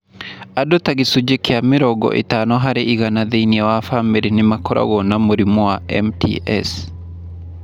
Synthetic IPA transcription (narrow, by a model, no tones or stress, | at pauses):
adotaɣisud͡ʒekiamiɾɔɡɔ̰ʔḛtanɔɦaɾeʔiɣanaðeiniawafameɾenɪmakɔɾa̰ɣɔnamuɾimɔwaɛ̰mtʰḭʔɛ̰s